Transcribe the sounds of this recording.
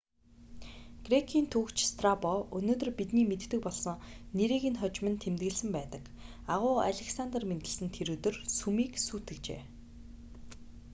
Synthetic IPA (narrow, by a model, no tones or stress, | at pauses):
ɡ̥rekʰiːnt̪ʰuːkt͡ɕst̪ʰrapɔɵnoːt̪ɵ̆rpit̪niːmet̪ːɘ̆k̚pɔɮsɞ̆ŋneɾiːɣiːnχɔt͡ɕmɘ̆nt̪ʰemt̪ɡɘ̆ɮsɘ̆mpæːt̪ə̆k | aʁʊːa̰ɮʲeksant̪ərment̪ɘ̆ɮsɘ̆nt̪ʰeɾuːt̪ɵ̆rsumiːksuːt̪ɘ̆kt͡ɕḛː